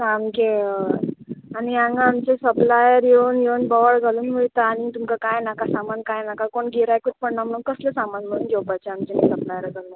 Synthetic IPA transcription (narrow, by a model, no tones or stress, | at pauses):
samke | aɽiaŋɡaamt͡ɕesəplajəɾjeuːnjeuːnbɔʋəɭɡʱaluːnʋeɭt̪aːɽ̃it̪umkakajnakasamankajnakakoɳɡʱeɾajkut̪̚pəɳnam̤əɽ̃uːnkəslesamanm̤əɽũːnɡewpajt͡ɕeamt͡ɕenisəplajəɾɡʱalə